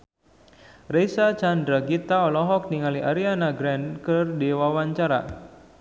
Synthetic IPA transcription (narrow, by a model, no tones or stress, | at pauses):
rejsat͡ʃandɾaɡit̪aɔlɔɦɔk̚niŋaliʔaɾianaɡɾɛnkərdewawaɲt͡ʃaɾa̰